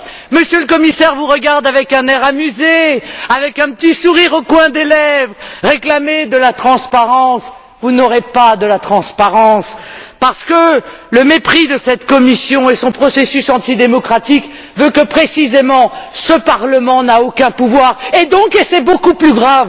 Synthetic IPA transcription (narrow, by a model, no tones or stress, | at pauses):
məsjøləkɔmisɛʁvuʁəɡaʁd̪avɛkɛ̃nɛʁamyzeavɛkɛ̃pət̪isuʁiʁokwɛ̃d̪elɛvʁəʁeklamed̪əlat̪χɑ̃spaʁɑ̃s | vunɔʁepad̪əlat̪χɑ̃spaʁɑ̃spaʁsə̥kələmepχid̪əsɛt̪kɔmisjɔ̃esɔ̃pχɔsesysɑ̃t̪id̪emɔkχat̪ik | vøkəpχesizemɑ̃səpaʁləmɑ̃naokʲɛ̃puvwaʁed̪ɔ̃kesɛbokuplyɡʁav